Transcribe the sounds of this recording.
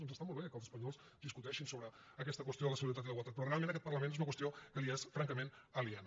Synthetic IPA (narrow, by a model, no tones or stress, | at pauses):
onzəst̪amɔlˠβekəlˠzəspəɲɔls | d̪iskut̪ɛʃinsoβɾə | əkɛst̪əkwəst̪ioələsəɣuɾit̪at̪iləiɣwəlˠt̪at̪̚pɾɔrealmẽntəkɛt̪pərləmenezunəkwəst̪ijokəliɛsfɾaŋkəmenəlian